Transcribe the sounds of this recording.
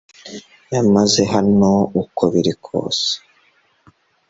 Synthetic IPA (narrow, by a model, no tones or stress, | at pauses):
jamaze̞ɦanoukʰoβiɾikʰo̞̰ːse̥